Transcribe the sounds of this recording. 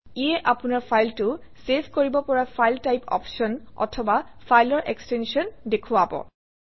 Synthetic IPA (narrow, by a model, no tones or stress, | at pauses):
iɛʔapʊnaɹpʰajltʊ | sepʰkoɹibɔpɔɹapʰajltajpɔ̰pʃɔnɔ̰tʰɔbafʰajlɔɹʔekstenʃiɔndekʰʊabɔ̰